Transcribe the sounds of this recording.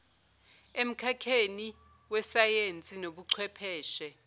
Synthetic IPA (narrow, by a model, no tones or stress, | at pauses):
em̩kʰakʰeni | wɛsajent͡sʼinoɓuǀʰwɛpʰɛːʃɛ